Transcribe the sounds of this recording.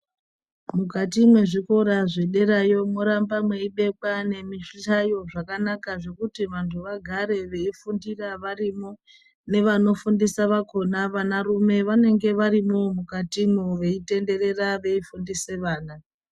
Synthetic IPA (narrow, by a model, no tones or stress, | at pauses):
mukat̬imwe̞ʐiko̞ɾaʐe̞ɗe̞ɾajo̞mo̞ɾambamwe̞iɓe̞kwane̞miʃiɬajo̞ʐakanakaʐe̞kutiʋantʰuʋaɡʱaɾe̞ʋe̞ifundiraʋarimo | ne̞ʋano̞fundisaʋako̞naʋanarume̞ʋane̞ŋɡe̞ʋaɾimomukatimoʋe̞ite̞nde̞re̞raʋe̞ifundise̞ʋaːna